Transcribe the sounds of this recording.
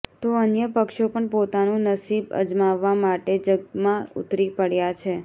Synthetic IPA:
t̪oənjəpəkʃopəɳpot̪anũnəsibə̰d͡ʒmaʋːamaʈed͡ʒəɡ̚t̪mãṵt̪ɾipəɽjat͡ʃʰe

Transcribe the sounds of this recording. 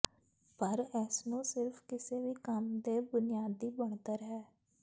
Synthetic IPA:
pəɾɛːsnũːsɪɾfʰkɪseːʋiːkəmd̪eːbʊnɪjaːd̪iːbəɳ̃t̪əɾɦɛː

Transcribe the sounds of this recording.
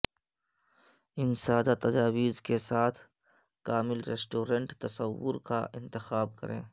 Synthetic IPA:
ɪnsaːd̪at̪ɐd͡ʒaːwiːzkesaːt̪ʰ | kaːmɪlɾesʈoːɾə̃ɳʈt̪ɐsəwːʊɾka̰ʔɪ̃nt̪ɪxaːb̚kɐ̰ɾḛ̃ː

